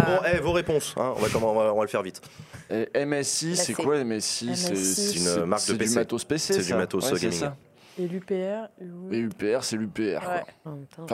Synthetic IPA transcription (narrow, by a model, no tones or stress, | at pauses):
bɔ̃ɛvoʁepɔ̃sɛ̰̃ɔ̃vakɔ̃mɑ̃vaɔ̃valəfɛʁvit̪ɛʔɛmɛsisɛkwaɛmɛsisɛsɛynɛmaʁk̚d̪əsɛd̪ymat̪ospesesɛsd̪yãmaowɛɡaɛisa | elypeɛwɛlypeɛʁsɛlypeɛ̰ʁkwwã̰fã